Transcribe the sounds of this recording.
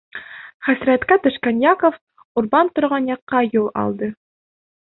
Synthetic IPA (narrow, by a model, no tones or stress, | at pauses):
χæsɾæt̪kæt̪ɵ̆ʃkænjakof | uɾbɑnt̪ŏɾʁɑnjɑqːɑjulˠɑ̰lˠd̪ɤ